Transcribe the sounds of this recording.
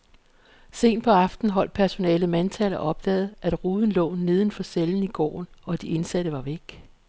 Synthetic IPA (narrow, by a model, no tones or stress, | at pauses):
se̝̰ːnpʰɒ̽ɑ̈fd̥n̩ɦɒ̽l̰d̥̚pʰæɐso̝nɛ̰ːləmænt͡sʰælɐʔɒ̽b̥̚d̥ɛ̰ːð̩ˠʔæd̥ʁuːðˠn̩lɔ̰̽ːne̝ð̞ˠn̩fɒ̽seln̩iɡ̥ɒ̰ːnɒ̽d̥ie̝nsæɾ̥əʋɑ̈ʋeɡ̥